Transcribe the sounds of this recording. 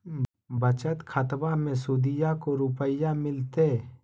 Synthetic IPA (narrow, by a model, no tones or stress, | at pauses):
bət͡ʃət̪kʰət̪bamẽsud̪ɪjakoɾʊpəjamɪlt̪e